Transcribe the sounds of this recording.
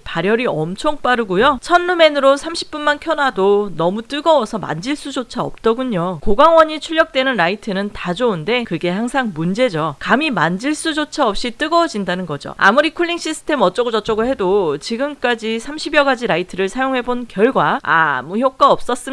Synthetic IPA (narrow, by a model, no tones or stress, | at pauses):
paɾjʌɾiʌmt͡ɕʰoŋp͈aɾɯɡujot͡ɕʰʌnːume̞nɯɾosʰamɕʰi̥p͈unmankʰjʌnadonʌmut͈ɯɡʌwʌsʰʌma̰nd͡ʑiɭs͈ud͡ʑot͡ɕʰaʌp̚t͈ʌɡuɲokoɡaŋwʌɲit͡ɕʰuɭːʌk̚t͈we̞nɯnɾaitʰɯnɯntad͡ʑounde̞kɯɡe̞haŋsʰaŋmund͡ʑe̞d͡ʑokamimand͡ʑiɭs͈ud͡ʑot͡ɕʰaʌp̚ɕ͈it͈ɯɡʌwd͡ʑindanɯnɡʌd͡ʑo̰a̰muɾikʰuɭːiŋɕ͈isʰɯ̥tʰe̞mʌt͡ɕ͈ʌɡod͡ʑʌt͡ɕ͈ʌɡoɭhe̞dot͡ɕiɡɯmk͈ad͡ʑisʰamɕʰibjʌɡad͡ʑiɾaitʰɯɾɯɭsʰajoŋɦe̞bonkjʌɭɡwaa̰muçjok̚k͈waʌp̚s͈ʌs͈ɯm